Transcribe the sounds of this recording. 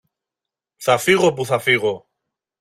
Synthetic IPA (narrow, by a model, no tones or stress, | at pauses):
θafiɣop̬uθafiɣo